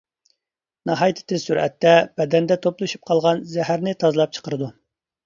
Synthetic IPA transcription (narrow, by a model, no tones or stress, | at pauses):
nɑɦɑjt̪ʰɪ̥t̪ʰɪzsyɾʔɛ̰t̪ːɛb̥ɛd̪ɛnd̪ɛt̪ʰoplˠɨʃu̥p̚qʰɑlˠʁɑnzɛɦæɾnɪt̪ʰɑzlˠɑp̚t͡ʃʰə̥qəɾɨd̪u